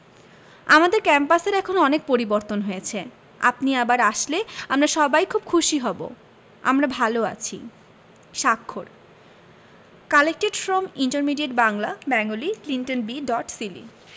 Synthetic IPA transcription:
amad̪eɾkɛmpaseɾɛkʰonɔnek̚poɾiboɾt̪onɦojet͡ɕʰe | a̰pniabaɾaʃleamɾaɾʃɔbajkʰub̚kʰuʃiɦɔbo̰ | a̰mɾabʱaloa̰t͡ɕʰḭ | ʃakʰːoɾ | kalek̚ʈiʈfɾomiɳʈaɾmiɖieʈbaŋlabɛŋoliklinʈonbiɖɔʈsilḭ

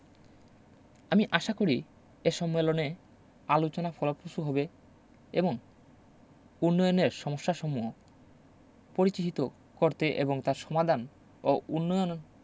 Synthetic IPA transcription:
amiʔaʃakoɾi | eʃɔmːelone | alot͡ɕonafʰɔlopoʃuɦɔbe | eboŋ | unːɔjoneɾʃɔmoʃːaʃɔmuo | poɾit͡ɕiɦit̪o | koɾt̪eʔḛboŋt̪aɾʃɔmad̪ʱan | oʔunːɔjon

